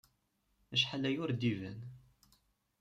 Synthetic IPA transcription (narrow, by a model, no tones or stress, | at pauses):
əʃħalæjʊɾd̪ivæn